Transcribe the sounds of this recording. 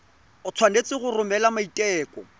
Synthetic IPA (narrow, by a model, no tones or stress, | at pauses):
ʊt͡sʰwanet͡sɪɣʊrʊmɛlamaitʼɛːkʼɔ